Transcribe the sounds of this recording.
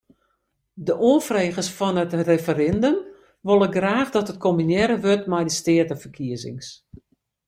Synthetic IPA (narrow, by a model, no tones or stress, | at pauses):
dəʔoəfreːɣəsfɔnətrefəɾɪndəm | ʋolˠəɡraːχdɔtət̚kʰomynjɛɾəʋøtmɛjdəstɪətəfərkʰiəzɪ̰ŋs